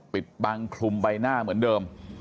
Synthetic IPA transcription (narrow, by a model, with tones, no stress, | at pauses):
pi˨˩t̪̚baː˧ŋkʰlu˧mba˧jnaː˥˩mɯ˩˦əndɤː˧m